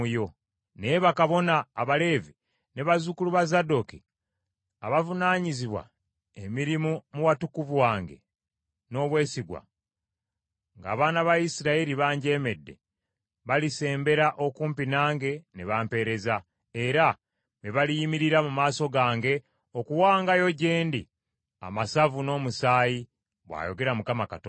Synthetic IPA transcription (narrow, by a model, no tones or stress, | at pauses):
ujo̞ | neβakaβo̞naːβale̞ːvi | ne̞βazukuluβazado̞ki | a̰βavunaːɲiziβwa̰ | emiɾimumuwatukuvuwaːŋɡe̞̰ | no̞βwe̞ːsiɡwa̰ | ŋɡa̰ːβaːnaβajisiɾaiɾiβaːɲɟe̞ːme̞dːe̞̰ | βalise̞ːmbe̞ɾaʔo̞kuːmpinaːŋɡe̞ne̞βaːmpe̞ːɾe̞za | e̞ɾa | βeβalijimiɾiɾamumaːso̞ɡaːŋɡe̞ | o̞kuwaːŋɡajo̞ɟeːndi | a̰masavuno̞ːmusaːji | βwa̰ːjo̞̰ɡe̞ɾamukamakato